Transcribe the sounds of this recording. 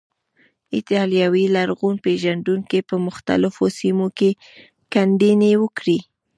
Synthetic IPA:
ɪt̪ɑljɑwilaɾɣunpeʒand̪unkepəmʊxt̪a̰lɪfosimoke | kand̪inewəkɽi

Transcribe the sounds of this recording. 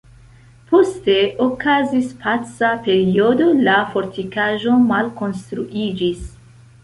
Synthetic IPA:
po̞ste̞ʔokazispʰat͡sape̞ɾio̞do̞lafo̞ɾtikaʒo̞malko̞nstɾuʔid͡ʒis

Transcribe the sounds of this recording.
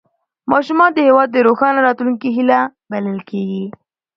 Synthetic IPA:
mɑʃumɑnd̪əhewɑd̪̚ːəɾoxɑnaɾɑt̪luŋkiɦilabaləlkeɡi

